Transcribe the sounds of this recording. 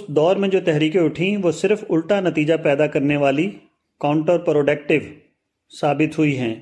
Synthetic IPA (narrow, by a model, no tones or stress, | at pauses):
ʊst̪̚d̪ɔːɾmẽd͡ʒoːt̪ɛɦɾiːkẽʊʈʰĩʋoːsɪɾfʊlʈ̪anɐt̪iːd͡ʒapɛːd̪akɐɾneʋaːli | kãːʊ̃ɳʈəɾpɾoːɖɛːk̚ʈɪʋ | saːbɪt̪ɦʊiɦɛ̃ː